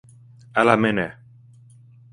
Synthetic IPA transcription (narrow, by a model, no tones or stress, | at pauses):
alamene